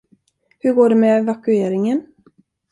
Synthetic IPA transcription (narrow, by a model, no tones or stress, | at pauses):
hɵɾɡoːɖɛmɛvakɵeːɾɪŋən